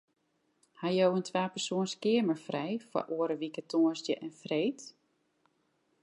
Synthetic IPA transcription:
hajowəntʰʋaːpərsoːənskɪəməɹfrɛjfa̰ʔuəɾəʋikətʰoːəstjəʔɛnfreːt

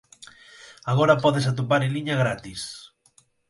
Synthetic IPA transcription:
aɣoɾapɔðesat̪̬op̬aɾeliɲɐɣɾat̪is

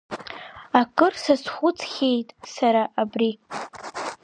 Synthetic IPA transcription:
akʼɨrsasχʷʊt͡sʰʼχʲe̞jtʼsaɾaʔabri

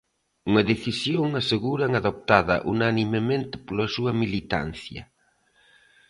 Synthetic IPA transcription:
uŋɐðeθisjoŋaseɣuɾɐŋaðop̚t̪aðɐ̰ʔunanimemẽnt̪ɪ̥polɐsuɐmilit̪a̰n̟θjɐ̰

